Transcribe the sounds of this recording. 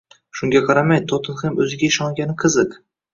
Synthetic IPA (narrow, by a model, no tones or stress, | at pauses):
ʃʊŋɡʲaqʰɑɾamajt̪ʰɒt̪ʰɪnχemɵzɪɡʲaɪʃɒŋɡʲanɪqʰɨzɨq